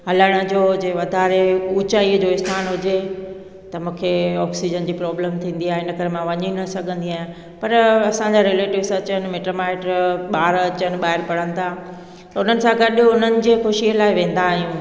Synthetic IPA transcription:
ɦɐləɽ̃ə̆d͡ʑoːd͡ʑeːʋɐd̪ʱaːɾeut͡ɕaːiəd͡ʑoːɪst̪ʰaːnɦʊd͡ʑe | t̪ɐmũːkʰeɔːksid͡ʑənd͡ʑiːpɾɔːbləmt̪ʰĩːn̆d̪iaːɦeɪnəkɐɾemãʋɐɲinɐsɐɡʱə̃nd̪iaːɦɪ̃ | pɐɾɐsãɲd͡ʑaɾeleːʈɪʋsɐt͡ɕənɪ̆meːʈəmaːɪʈɾɓaːɾɐt͡ɕənɪ̆ɓaːɦɪɾpɐɽ̤ənɪ̆t̪ʰa | t̪ɐʊn̤ənɪ̆sãɡɐɗʊn̤ənɪ̆d͡ʑeːxʊʃiəlaːɪʋẽːn̆d̪aːɦijũː

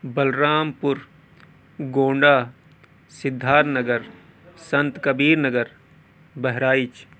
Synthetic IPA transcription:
bɐlɾaːmpʊɾ | ɡõːɳɖaː | sɪd̪ʱːaːɾnɐɡəɾ | sɐ̃nt̪kɐbiːɾnəɡəɾ | bɛɦɾaːɪt͡ʃ

